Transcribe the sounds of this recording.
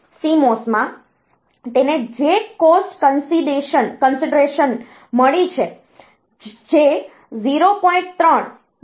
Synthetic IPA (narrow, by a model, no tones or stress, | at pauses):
simosmã | t̪ened͡ʒekosʈkənsiɖeʃənkənsiɖɾeʃən | məɭit͡ʃʰe | d͡ʒe | ziɾopɔĩɳʈ̚t̪ɾəɳ